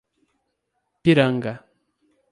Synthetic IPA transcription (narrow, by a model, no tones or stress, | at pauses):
piɾaŋɡa